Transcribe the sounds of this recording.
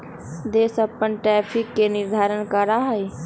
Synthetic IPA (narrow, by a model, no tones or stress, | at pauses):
d̪eːsəpːənʈɾɛːpʰɪkːenɪɾd̪ʱaːɾənkəɾaɦə